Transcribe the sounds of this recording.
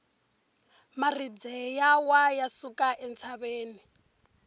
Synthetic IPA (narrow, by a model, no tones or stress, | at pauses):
marid͡zɛjawajasukʼaʔɛnt͡sʰaβeːni